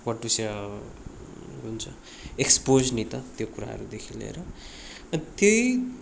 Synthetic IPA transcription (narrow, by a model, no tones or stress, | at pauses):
kʌʈːusja | ɦunt͡sʰʌ | ekspod͡znit̪ʌt̪jokuɾa̰ɦʌ̰ɾud̪ekʰilḛɾʌ | ʌt̪jʌj